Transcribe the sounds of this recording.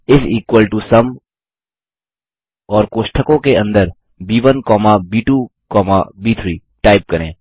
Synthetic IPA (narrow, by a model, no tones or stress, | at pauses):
ɪsiːkwəlʈusɐm | ɔːɾkoːʃʈʰəkõkeɐ̃nd̪əɾ | biːʋənkɔːmabiːʈuːkɔːma̰biːt̪ʰɾiː | ʈaːɪp̚kɐɾḛ̃ː